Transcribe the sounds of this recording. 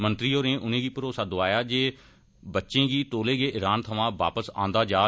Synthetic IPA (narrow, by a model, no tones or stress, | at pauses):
mənt̪ɾiːoːɾẽːʔʊnẽːɡiːpəɾoːsaːd̪oaːjaːd͡ʒeː | bətːʃẽːɡiːt̪oːleːɡeːʔɪɾaːnt̪ʰəʋãːʋa̰ːpəsã̰ːnd̪aːd͡ʒaː